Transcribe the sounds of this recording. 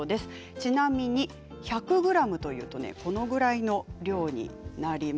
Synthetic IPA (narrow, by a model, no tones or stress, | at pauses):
od̪e̞sɨ̥ | t͡ɕinamʲiɲ̟i | çakɯ̟ɡɯ̟ɾamɯ̟t̪o̞jɯ̟̰ːt̪o̞ne̞̰ko̞no̞ɡɯ̟ɾaino̞ɾʲo̞ːɲ̟ḭnaɾʲi